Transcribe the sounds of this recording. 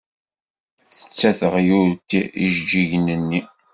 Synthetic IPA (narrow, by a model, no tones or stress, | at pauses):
θə̥t͡sːæθəʁjʊɾt̪iiʒd͡ʒiʝnənːi